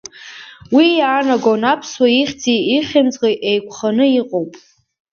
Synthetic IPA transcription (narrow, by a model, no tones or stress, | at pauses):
wijaːnaɡownapʰswaiχʲt͡siiχʲɪmt͡sʼqeʔejkʷʰχanɨiqʼowpʼ